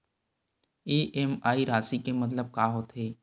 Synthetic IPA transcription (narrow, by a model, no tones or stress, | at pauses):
iːʔemaːiɾaːsikemɐt̪̬ləb̚kaːɦot̪eː